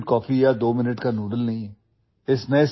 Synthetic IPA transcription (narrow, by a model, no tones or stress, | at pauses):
ʈ̚kɔːfiaːd̪oːmɪnəʈkanuːɖəlnɐɦĩɦɛː | ɪsmẽɪs